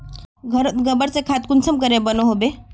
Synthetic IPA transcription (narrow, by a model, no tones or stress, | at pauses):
ɡʱəɾət̪ɡəbəɾsekʰat̪̚kunsʰəmkəɾebənoɦobe